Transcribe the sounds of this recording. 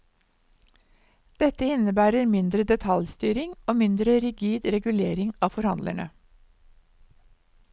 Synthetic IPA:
d̪̥ɛt̪əɪnəbæːɾəɾmɪnd̪ɾəd̪ɛt̪ʰɑljst̪yːɾɪŋoːmɪnd̪ɾəɾɪɡiːd̪ɾɛɡʉleːɾɪŋɑːfɔɾhɑ̰nd̪læ̰ɳə̰

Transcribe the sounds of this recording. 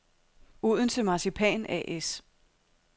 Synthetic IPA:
oð̞ˠn̩t͡sʰe̝mɑ̈sipʰɛ̰ːnɛ̰ʔes

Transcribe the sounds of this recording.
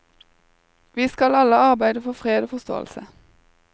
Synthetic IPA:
ʋiːskɑlɑləɑʁbæɪd̪əfɔfʁeːd̪oːfɔst̪o̰ːə̰lsə

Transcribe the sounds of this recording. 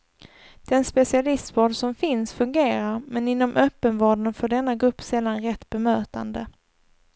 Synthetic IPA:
d̪̥ɛnspɛsɪalɪst̪vɑːɖsɔmfɪnsfɵŋɡeːɾaɾmɛnɪnːɔmʔœpːənvɑːɖənfœɖɛnːaɡɾɵpːsɛlːanɾɛt̪ːbɛmøːt̪a̰nd̪ə

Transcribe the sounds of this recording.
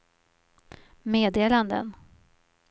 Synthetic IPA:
meːd̪eːland̪ə̰n

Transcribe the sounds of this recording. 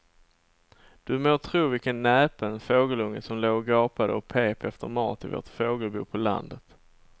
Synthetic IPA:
d̪̥ɵmoːt̪ʰɾuːvɪkənːɛːpənfoːɡəlɵŋːəsɔmloːɡɑːpad̪əɔpʰeːpʰɛft̪əɾmɑ̰ːt̪ɪvo̰ːʈfoːɡəlbṵːpʰɔla̰nd̪ət̪

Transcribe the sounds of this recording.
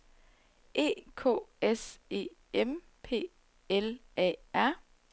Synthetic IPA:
ʔe̝̰ːkʰo̝̰ːese̝̰ːem | pʰe̝̰ː | elɛ̰æɐ̰

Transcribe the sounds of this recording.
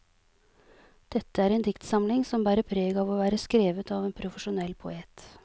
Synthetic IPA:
d̪̥ɛt̪ːəæːɾeːnd̪ɪkt̪sɑmlɪŋsɔmbæːɾəpʰɾeːɡɑːʋoːʋæːɾəskɾeːʋət̪ɑːʋeːnpʰɾʊfəʂʊnɛlːpʰʊ̰eːt̪

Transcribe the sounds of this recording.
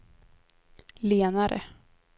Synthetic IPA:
leːnaɾʔə̰

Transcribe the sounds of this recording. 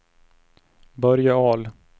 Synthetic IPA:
bœɾjaɑːl

